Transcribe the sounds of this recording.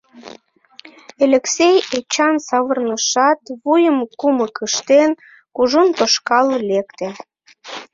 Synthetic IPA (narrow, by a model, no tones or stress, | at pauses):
elʲeksejet͡ɕɑnsɑβərnəʃɑt̪βujəmkuməkəʃt̪en | kuʒunt̪oʃkɑləlekt̪e